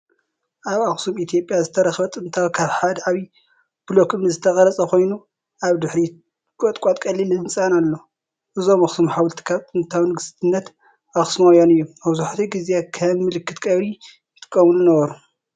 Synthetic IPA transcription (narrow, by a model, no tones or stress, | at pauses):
ʔaβaxsumit̪ʰijo̞pʼjazɨt̪ʰɐɾɐxβɐt̪ʼɨnt̪ʰawkʰaβħad̪ʕaβi | b̥ɨlokʰɨβnɨzɨt̪ʰɐχʼɐlɐt͡sʼɐkʰo̞jnu | ʔaβd̪ɨħɾi | kʼot̪ʼkʷʼat̪ʼkʼɐlːilɨɨnt͡sʼanalːo | ʔɨzomɐxsumħawult̪ʰi̥kʰaβt̪ʼɨnt̪ʰawnɨɡɨst̪ʰɨnːɐt̪ | ʔaxsmojonɨjːoɐβzuħat̪ʰuɡizeekʰɐmːɨlɨkʰːɨt̪kʼɐβɾi | jt̪ʰʼɨ̥kʼːɐmulunɐβɐɾu